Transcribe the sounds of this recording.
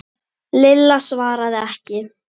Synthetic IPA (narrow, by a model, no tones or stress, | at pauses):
lɪlːasvaːɾaðɪɛhcɪ